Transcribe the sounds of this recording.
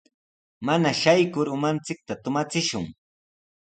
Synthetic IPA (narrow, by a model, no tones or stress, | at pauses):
manaʃajkʊɾʊmant͡sɪk̚t̪at̪ʊmat͡sɪʃʊŋ